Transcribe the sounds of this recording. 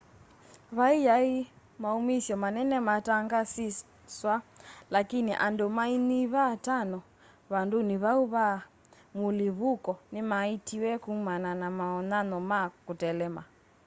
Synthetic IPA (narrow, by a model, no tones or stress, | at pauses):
βaijai | maumisjɔmanɛnɛmataŋɡasi | swalakiniʔandɔmainiβatanɔ | βanduniβauβa | muliβukɔnimaitiwɛkumananamaɔnanɔmakutɛlɛma